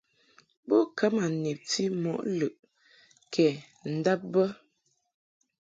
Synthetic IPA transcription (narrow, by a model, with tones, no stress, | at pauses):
bo˦kʰə˨˦ma˨ni˨p̚ti˦mɔ˨ʔlʉ˨ʔ | kʰɛ˨ | n̩˨da˦p̚bə˦